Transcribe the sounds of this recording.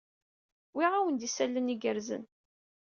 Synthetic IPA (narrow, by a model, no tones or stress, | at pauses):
wiʁæwənd̪isælːəniɡəɾzə̰n